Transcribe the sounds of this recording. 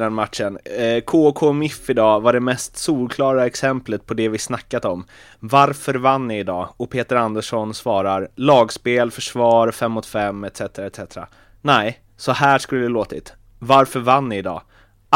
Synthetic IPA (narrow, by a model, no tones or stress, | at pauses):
ɛnmat̪ʂənkʰoːkʰoːmɪfːɪd̪ɑːvaɖɛmɛst̪suːlkʰlɑːɾaɛksɛmplət̪̚pʰɔd̪ɛvɪsnakːat̪ɔm | vaɾfœɾvanːɪɪd̪ɑːɔpʰeːt̪əɾand̪əʂɔnsvɑːɾaɾlɑːɡspeːlfœʂvɑːɾfɛmːɔt̪fɛmːɛt̪sɛt̪əɾaɛt̪sɛt̪ɾa̰ | næɪ | sɔhæːʂkɵlːəd̪ɛloːt̪ɪ̰t̪ | vaɾfœɾvanːɪːd̪ɑ̰ː